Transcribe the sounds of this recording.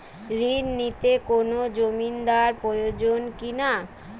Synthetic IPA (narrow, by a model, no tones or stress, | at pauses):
ɾinːit̪ekonod͡ʑomind̪aɾpɾojod͡ʑonkina